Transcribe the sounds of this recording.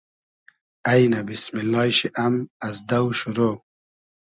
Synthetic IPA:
ɐjnabismilːɑːjɕiʔamɐzd̪ɐwɕuɾo

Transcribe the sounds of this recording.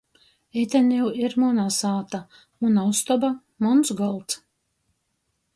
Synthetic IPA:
et̪ʲanʲiwiɾmɔnasaːt̪a | munawst̪ɔba | mɔnsɡɔlˠt̪s

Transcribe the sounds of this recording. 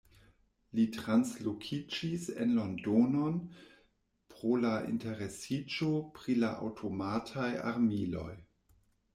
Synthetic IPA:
litɾanslokʰid͡ʒisḛnlo̞ndono̞n | pɾo̞laḭnte̞ɾe̞sid͡ʒo̞pɾilaʔa̰wtʰo̞matʰaja̰ɾmilo̞̰j

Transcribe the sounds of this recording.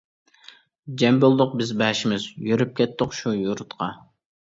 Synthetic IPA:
d͡ʒɛmbolˠd̪ʊq̚bɪzbɛʃimɪzjøɾyp̚kʲɛt̪ːɨqʃujuɾt̪qʰɑ

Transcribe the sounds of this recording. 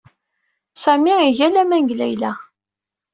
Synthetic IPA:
sæmiiʝælæmænɡlæjlæ

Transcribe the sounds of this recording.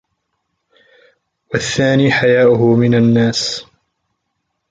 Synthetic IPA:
waθːaːniːħajaːʔʊɦʊmɪnanːaːs

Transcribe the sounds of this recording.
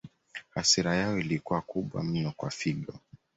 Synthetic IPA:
hasiɾajaɔilikuakuɓwa̰m̩nɔkwafiɠɔ

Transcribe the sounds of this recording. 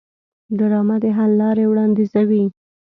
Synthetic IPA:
d̪aɾɑmad̪eɦalːɑɾewɽɑnd̪izawi

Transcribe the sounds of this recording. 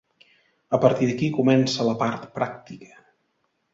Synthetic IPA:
əpəɾt̪iðəkikumɛnsələpart̪pɾak̚t̪ikə̥

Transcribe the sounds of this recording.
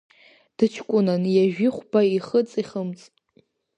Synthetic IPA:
d̥ɨt͡ʃʰkʷʼʊnanjaʒᶣiχʷbaiχət͡sʼiχəmt͡sʼ

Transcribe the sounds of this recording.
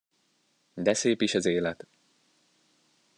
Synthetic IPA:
d̪ɛseːpiʃɛzeːlɛt̪

